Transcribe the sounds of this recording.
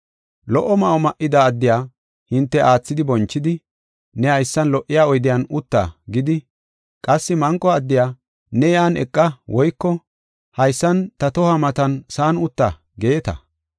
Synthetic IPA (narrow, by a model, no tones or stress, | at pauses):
lɔʔːɔmɐʔɔmɐʔɪd̪ɐːd̪ːɪjaː | hɪnt̪ːɛʔaːt͡sːɪd̪ɪbɔnt͡ʃːɪd̪ɪ | nɛɐjsːɐnlɔʔːɪjaːɔjd̪ɪjanʊt̪ːa̰ɡɪd̪ɪ | kʼɐsːɪmɐŋkʼːɔɐd̪ːɪjaː | nɛjaːnɛ̰kʼːɐwʔɔjkːɔ | hɐjsːɐnt̪ɐt̪ɔhɐmɐt̪ɐnsaːnʊt̪ːɐ | ɡe̞ːt̪ɐ̰